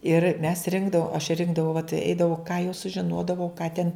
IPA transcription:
ɪr mʲɛs ˈrʲɪŋɡdɐʋoːm ɐʃ ˈrʲɪŋɡdɐʋɐʊ ʋɐt ˈɛɪdɐʋɐʊ kɑː jɛʊ sʊʒʲɪˈnoːdɐʋɐʊ kɑː tʲɛn

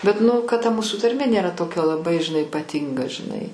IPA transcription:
bʲɛt nʊ kɐt tɐ ˈmuːsʊ tɐrʲˈmʲeː ˈnʲeːrɐ ˈtoːkʲɛ lˠɐˈbɐɪ ʒʲɪˈnɐɪ ɪpɐˈtʲɪŋɡɐ ʒʲɪˈnɐɪ

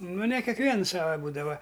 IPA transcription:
nʊ nʲɛ kʲɛkˈʋʲiɛns ˈsɑːʋɐ ˈbuːdɐʋɐ

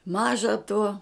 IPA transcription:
ˈmɑːʒɐ tuɔ

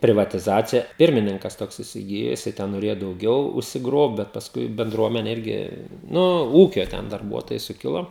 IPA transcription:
pʲrʲɪʋɐtʲɪˈzɑːt͡sʲɪjɛ ˈpʲɪrʲmʲɪnʲɪŋkɐs ˈtoːks ɪsʲɪˈɡʲɪjoː jɪˈsɐɪ ˈtʲɛn noːˈrʲeːjoː dɐʊˈɡʲɛʊ ʊʃʲsʲɪˈɡroːpt bʲɛt pɐˈskʊɪ bʲɛnˈdruɔmʲɛnʲɛ ˈɪrʲɡʲɪ ˈnʊ ˈuːkʲoː ˈtʲɛn dɐrˈbuɔtoːjɛɪ sʊˈkʲɪlˠoː

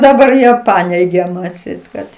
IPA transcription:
dɐˈbɐr ˈjiɛ ˈpɑːnʲɛɪɡʲɛ ɐtʲˈsʲɛɪt kɐt

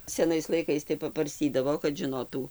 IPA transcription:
sʲɛˈnɐɪs lˠɐɪˈkɐɪs tɐɪ pɐbɐrʲˈsʲtʲiːdɐʋoː kɐt ʒʲɪˈnoːtuː

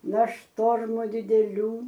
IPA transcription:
nɐ ˈʃtoːrmʊ dʲɪdʲɛˈlʲuː

